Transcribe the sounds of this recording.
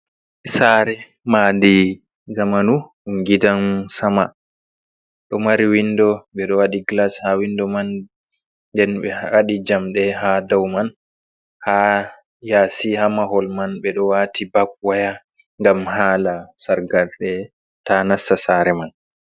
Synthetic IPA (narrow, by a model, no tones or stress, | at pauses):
saɾɛ | maːdi | zamanu | uŋɡidansama | ɗɔmaɾiwindɔɓɛɗɔwaɗiɡlashawindɔman | dɛnɓɛwaɗid͡ʒamɗɛhadawman | ha | jaːsihamaɦɔlmanɓɛɗɔwatʰibak̚waja | ŋɡamhaːlasaɾɡalɗɛ | tanasasaːɾɛman